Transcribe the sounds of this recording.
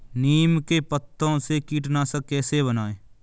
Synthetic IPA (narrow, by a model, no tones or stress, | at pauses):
niːmkepət̪ːõsekiːʈnaːsəkɛːseβənaːeː